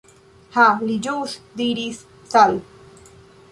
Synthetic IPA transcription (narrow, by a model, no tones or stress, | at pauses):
halid͡ʒusd̪iɾis | sal